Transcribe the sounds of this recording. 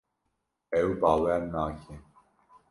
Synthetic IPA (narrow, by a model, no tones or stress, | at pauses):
ɛwbɑːwɛmnaːkʰe